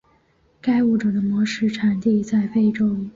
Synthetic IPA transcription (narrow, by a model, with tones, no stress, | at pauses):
ka˥ɪu˥˩ʈ͡ʂɤ˨˩d̪ə˦mwɔ˧˥ʂɻ̩˥˩ʈ͡ʂʰa˨˩nt̪i˥˧t͡sa˥˩˧ɪfe˥˩ɪʈ͡ʂʊ˥ʊ